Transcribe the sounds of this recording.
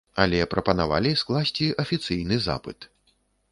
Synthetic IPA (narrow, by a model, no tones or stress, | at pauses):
ɐlʲɛpɾɐpɐnava̰lʲisklˠasʲt͡sʲiʔɐfʲit̪sɨjnɨza̰pɨ̰t̪